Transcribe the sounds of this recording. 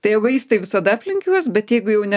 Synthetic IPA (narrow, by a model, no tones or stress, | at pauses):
t̪ɐɪjɛɪɡʊiːst̪ɐɪʋʲɪsɐd̪ɐɐpʲlʲɪŋʲkʲuɔsbʲɛt̪jɛɪɡʊjɛʊnʲɛ